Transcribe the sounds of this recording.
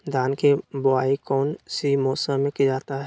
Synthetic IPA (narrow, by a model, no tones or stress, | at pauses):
d̪aːnkebʊaːikɔːnsimɔːsəmːẽkid͡ʒaːt̪aɦɛ